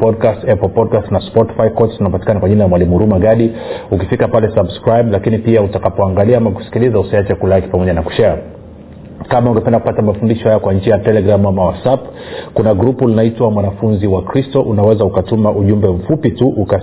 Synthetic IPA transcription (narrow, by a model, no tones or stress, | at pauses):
pɔd̚kastɛplpɔdkastnaspɔti̥fajkɔtzunaɔpati̥kanakwaʄinalamwalimuɾumaɡaɗiukifikapalɛsabskɾajblakinipiautakapɔaŋɡaliaamaku̥si̥kilizausiat͡ʃɛkulaaki̥pamɔʄanaku̥ʃa | kamauŋɡɛpɛndaku̥patamafundiʃɔhajakwaɲ̩d͡ʒɛjatɛlɛɡɾamuamawasap | kunaɡɾupulinaitwamwanafunziwakɾistɔʔunawɛzaukatumaʔuʄumbɛm̩fupituʔuka